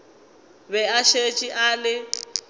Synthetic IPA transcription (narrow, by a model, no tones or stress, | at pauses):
βɛaʃet͡ʃʼiʔalɪ